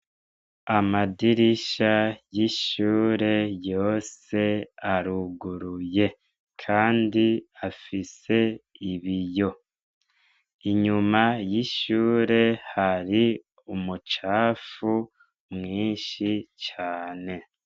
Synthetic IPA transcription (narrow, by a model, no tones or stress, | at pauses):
amadiɾiʃajiʃuːɾe̞jo̞ːse̞aɾuɡuɾuje̞ | kʰaːndiafise̞iβijo̞ | iɲumajiʃuːɾe̞haɾi | umut͡ʃaːfu | mŋiːnʃit͡ʃaːne̞